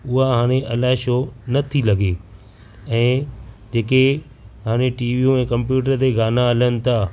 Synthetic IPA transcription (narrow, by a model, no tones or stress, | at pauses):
ʊɦaɦaːɽ̃eʔɐlaːɦɪʃoːnɐt̪ʰilɐɡe | ɛ̃ːd͡ʑeːke | ɦaːɽ̃eʈiːʋiũɛ̃ːkɐ̃mpjuːʈəɾd͡ʑeːɡʱaːnaɐlənɪ̆t̪ʰaː